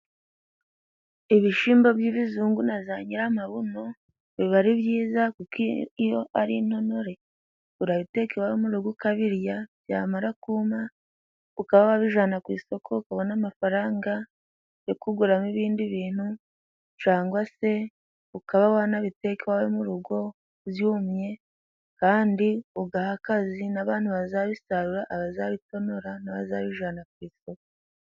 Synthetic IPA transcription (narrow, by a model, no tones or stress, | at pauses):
iβiʃiːmbo̞bjiːβizuːŋɡunazaɲiɾamaβuno̞ | βiβaɾiβjiːzakukijo̞ʔaɾin̥ho̞no̞ɾe̞ | uɾaβite̞kewawemuɾuɡukaβiɾjaβja̰ːmaɾakuːma | ukaβawaβiʒanakwiːso̞kʰo̞ukaβonamafaɾaːŋɡa | jokuɡuɾamiβiːndiβiːn̥hu | t͡ʃaːŋɡwase̞ | ukaβawanaβite̞kewawemuɾuɡo̞ | βjuːmɲe̞ | kaːndiuɡahakazinaβaːn̥huβazaβisaɾuɾaʔːβazaβito̞no̞ɾanaβa̰zaβiʒanakwiːso̞ko